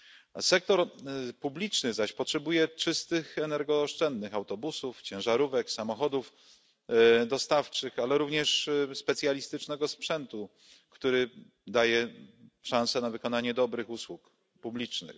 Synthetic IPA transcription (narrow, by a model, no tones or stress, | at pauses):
sɛk̚t̪ɔɾpublʲit͡ʂnɘzaɕpɔtʂɛbujɛt͡ʂɘst̪ɘxɛnɛɾɡɔʂt͡ʂɛnd̪nɘxawt̪ɔbusuft͡ɕɛ̃wʐaɾuvɛksamɔxɔd̪uf | d̪ɔst̪aft͡ʂɘxalɛɾuvɲɛʂspɛt̪sʲjalʲist̪ɘt͡ʂnɛɡɔspʂɛnt̪u | kt̪uɾɘ | d̪ajɛʂãñsɛnavɘkɔnaɲɛd̪ɔbɾɘxuswuk | publʲit͡ʂnɘ̰x